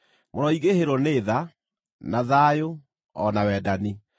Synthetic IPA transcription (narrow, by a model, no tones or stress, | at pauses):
mɔɾɔiɣeheɾɔneːða | naðaːjo | ɔnawɛːdani